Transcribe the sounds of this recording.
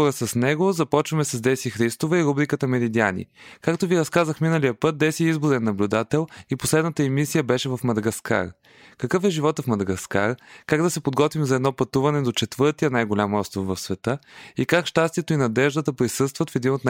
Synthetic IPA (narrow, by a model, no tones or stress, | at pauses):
oɾəsəsnɛɡozɐpɔt͡ʃvɐmɛsɛzd̪ɛsixɾist̪ovɛiɾubɾikət̪əmɛɾid̪ianḭkakt̪oviɾɐskazəxminəlijəpɤt̪̚d̪ɛsiizbʊɾɛnːɐblʲud̪at̪ɛlˠiposlɛd̪nət̪əɛmisijəbɛʃɛvɐfmɐd̪ɐɡɐska̰ɾ | kɐkɤfɛʒivɔt̪əfmɐd̪ɐɡɐska̰ɾkaɡd̪ɐsɛpod̪ɡɔt̪vimzɐɛd̪nɔpɐt̪uvɐnɛd̪ot͡ʃɛt̪vɤɾt̪ijənajɡolʲamɔst̪ɾofvɐfsvɛt̪ɤikakʃt̪ast̪ijɛt̪oinɐd̪ɛʒd̪ət̪əpɾisɤst̪vɐt̪fɛd̪inot̪n